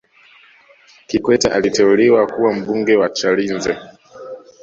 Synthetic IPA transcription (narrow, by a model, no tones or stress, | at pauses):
kikwɛtaʔalitɛuliwakuwam̩ɓuŋɡɛwat͡ʃalinzɛ